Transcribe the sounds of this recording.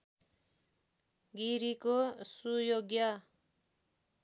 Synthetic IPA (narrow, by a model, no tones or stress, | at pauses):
ɡiɾikosujoɡjʌ